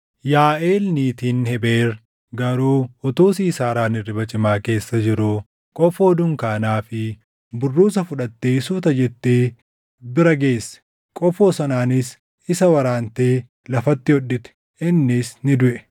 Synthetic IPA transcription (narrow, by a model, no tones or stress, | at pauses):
jaːʔeːlniːt̪iːnhɛbeːr | ɡɐɾuːɔt̪uːs̬iːsaːɾaːnɪrːɪbɐt͡ʃʼɪmaːke̞ːsːɐd͡ʒɪɾuː | kʼɔfoːd̪ʊŋkaːnaːfɪ | bʊrːuːs̬ɐfʊᶑɐt̪ːe̞ːsuːt̪ɐd͡ʒɛt̪ːeː | bɪɾɐɡe̞ːsːɛ̥ | kʼɔfoːsɐnaːnɪs | ɪsɐwɐɾaːnt̪e̞ː | lɐfɐt̪ːɪɔᶑːɪt̪ɛ̥ | ʔɪnːɪsnɪd̪ʊʔɛ